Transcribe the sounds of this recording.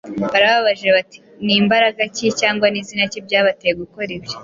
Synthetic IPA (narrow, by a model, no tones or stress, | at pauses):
βaɾaβaβaʒieβati̥ | niːmbaɾaɡacicaːŋɡwaniːzinacibɟaːβatejeɡuko̞ɾibje